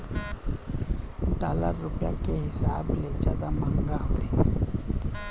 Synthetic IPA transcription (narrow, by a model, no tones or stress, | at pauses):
ɖaːlə̰ɾːʊpjakeɦɪsaːbled͡ʒaːd̪amə̃ŋɡaɦot̪i